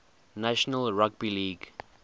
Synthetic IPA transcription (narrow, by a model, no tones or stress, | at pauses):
naʃənəlɹaɡ̚biliːɡ